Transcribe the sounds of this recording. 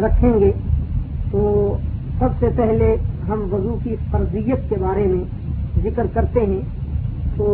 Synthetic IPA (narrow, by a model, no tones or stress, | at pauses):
ɾɐkʰẽŋɡeːt̪oːsɐbsepɛɦleɦɐmʋɐzukiqɐɾzijət̪kebaːɾemẽ | zɪkɾkɐɾt̪eɦɛ̃ | t̪oː